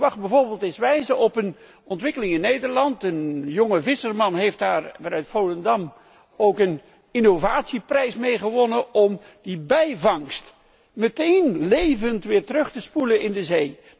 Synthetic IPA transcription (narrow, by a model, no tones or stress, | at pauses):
ʋɑχ̚bɛjvoːɹbeːlˠtɪsʋɛjzəɔpən | ɔntʋɪkəlɪŋɪnːejdəɹlɑntənjɔŋəvɪsəɹmɑnɦejft̚daːɹvɑnœɥtfoləndɑm | owkən | inovaːtsiprɛjsmejχəʋɔnəɔm | dibɛjvɑŋst | mətejnlejvəntʋɪːɹtərɵχtəspulənʔɪndəzej